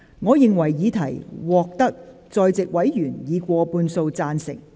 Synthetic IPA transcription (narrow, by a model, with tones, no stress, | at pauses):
ŋɔː˨˧jɪ˨ŋwɐ˨˩jjiː˨˧t̪ʰɐ˨˩jwɔː˨k̚t̪ɐ˥k̚ | t͡sɔː˨˧jt͡sɪ˨k̚wɐ˨˥jjyː˨˩njiː˨˧kʷɔː˧puː˧nso˧wt͡saː˧nsɪ̰˨˩ŋ̚